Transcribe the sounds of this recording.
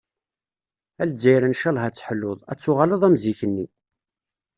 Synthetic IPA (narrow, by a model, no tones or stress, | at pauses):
æld͡zːæjɾənʃælhæt͡sːə̥ħlːoðˤæ̰t͡sːʊʁaləðˤæmziçənːi